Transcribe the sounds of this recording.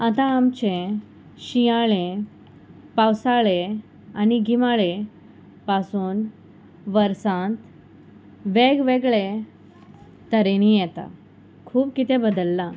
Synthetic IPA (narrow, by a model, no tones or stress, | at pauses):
at̪ãːmt͡ɕẽ | ɕijaɭẽ | pawsaɭe | aniɡʱimaɭe | pasuːn | ʋəɾsãt̪ | ʋeɡʋeɡɭe | t̪əɾenijɛt̪a̰ | kʰuːb̚kit̪ẽbəd̪əlːa